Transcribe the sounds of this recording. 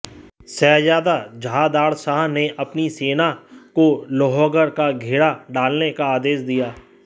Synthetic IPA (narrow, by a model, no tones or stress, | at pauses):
sɛːjaːd̪ad͡ʒʱaːd̪aːɾsaɦneʔɐpniseːnakoloːɦoːɡəɾkaɡʱeːɽaɖaːlnekaaːd̪eːsd̪ijaː